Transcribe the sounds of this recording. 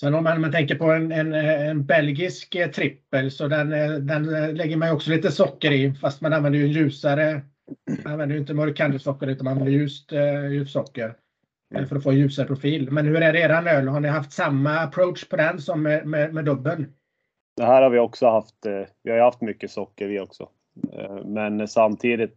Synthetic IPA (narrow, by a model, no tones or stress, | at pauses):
sɛnːɔmmanːmant̪ʰɛŋkəɾpɔɛnɛnɛnbɛlɡɪskt̪ʰɾɪpːəlsɔd̪ɛnd̪ɛnlɛɡːəɾmajɔksɔliːt̪əsɔkːəɾɪfast̪mananvɛnd̪əjɵɛnjʉ̟ːsaɾə | nanvɛnd̪əjʏɪnt̪əmɔɾɪkʰand̪əsɔkːəɾʉ̟t̪anmanvɛnd̪əɾjʉ̟ːst̪jʉ̟ːssɔkːəɾ | fœɾɔfoːjʉ̟ːsaɾəpʰɾʊfiːlmɛnhɵɾæɖeːɾanøːlɦaɳɪɦaft̪samːaːpʰɾoʊt̪ʂpʰɔd̪ɛnsɔmːɛmɛmɛd̪ɵbːən | d̪̥ɛhæːɾhaɾvɪɔksɔhaft̪vɪhajɵhaft̪mʏkːəsɔkːəɾɪɔksɔ̰ | mɛnsamt̪ʰiːd̪ɪt̪̚